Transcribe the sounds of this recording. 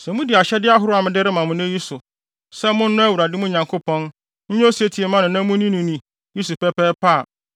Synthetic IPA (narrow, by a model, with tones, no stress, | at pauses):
sɛ˨mũ˦dɪ˨a˨ɕɛ˦dɪ˦a˦ɦʊ˦ɾʊ˦a˨mɪ̃˨dɪ˦ɾɪ˦mã˨mʊ̃˦n˦e˦ji˦sʊ˨ | sɛ˦mʊ̃˦n̩˦nʊ̃˦æ˦˨wu˨ɾa˨dɪ˦mʊ̃˦ɲã˨ŋkʰo˦pɔ̃˦n | ɲ̩˦ɲɛ̃˦o˦si˨e˦tʰi˨e˨mã˦nʊ̃˨nã˦mũ˦nĩ˦nĩ˨nĩ˨ | ji˦su˨pɛ˦pɛː˦pʰaː˦˨